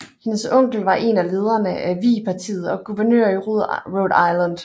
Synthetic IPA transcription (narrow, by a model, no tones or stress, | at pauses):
he̝nəsɔ̽ŋ̰ɡ̥l̩ʋɑ̈ʔe̝næle̝ːð̞ˠɐnəʔæʋḭːpʰɑ̈t͡sʰḭːð̞̩ˠɒ̽ɡ̥uʋɐnø̰ɐ̰iʁoð̰ˠʁodɑɪlænd̥